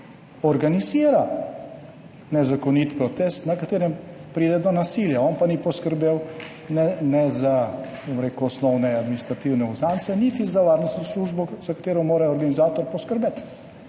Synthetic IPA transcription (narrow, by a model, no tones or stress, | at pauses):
ɔɾɡaniziːɾa | nɛzakɔnit̪pɾɔt̪est̪nakat̪eːɾɛmpɾiːd̪ɛd̪ɔnasiljaɔnpanipɔskəɾbew | nɛnɛza | bomɾekɔɔsnɔwnɛad̪minist̪ɾat̪iwnɛuzant̪sɛnit̪izaʋaːɾnɔst̪nɔsluːʒbɔz̥akat̪eːɾɔmoːɾaɔɾɡanizaːt̪ɔɾpɔskəɾbet̪